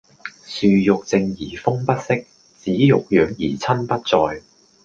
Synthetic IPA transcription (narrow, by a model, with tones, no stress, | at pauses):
syː˨˧jʊ˨k̚t͡sɪ˧ŋjiː˨˩fʊ˥ŋpɐ˥t̚sɪ˥k̚ | t͡siː˨˥jʊ˨k̚jœː˨ŋjiː˨˩t͡sʰɐ˥npɐ˥t̚t͡sɔː˨j